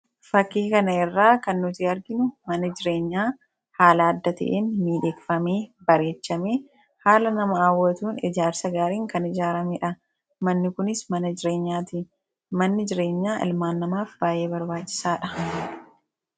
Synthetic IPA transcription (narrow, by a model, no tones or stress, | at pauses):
fɐkːiːkɐnɐɪrːaːkɐnːʊt̪ɪɐɾɡɪnʊmɐnɐd͡ʒɪɾe̞ːɲːaː | haːlaːd̪ːɐt̪ɐ̰ʔeːnmiːᶑeːkfɐmeːbɐɾe̞ːt͡ʃːɐmeː | haːlɐnɐmɐaːwːɐt̪uːnɪ̰d͡ʒaːɾsɐɡaːɾiːŋkɐnɪd͡ʒaːɾɐmeːᶑɐ | mɐnːɪkʊnɪsmɐnɐd͡ʒɪɾe̞ːɲːaːt̪i | mɐnːɪd͡ʒɪɾe̞ːɲːaːʔɪ̰lmaːnːɐmaːfb̥aːje̞ːbɐɾbaːt͡ʃːɪ̥saːᶑɐ